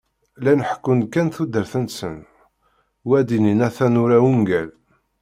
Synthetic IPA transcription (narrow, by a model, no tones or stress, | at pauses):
lænəħəkːʊnkːænθud̪əɾθənsən | wæd̪ininæθænʊɾæwuŋɡæl